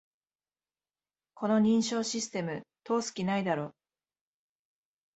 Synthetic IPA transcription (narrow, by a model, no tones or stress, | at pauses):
kʰo̞no̞ɲ̟ĩɰ̃ɕo̞ːɕisɨ̥t̪e̞mɯ̟t̪o̞ːsɨ̥kʲinaid̪aɾo̞ː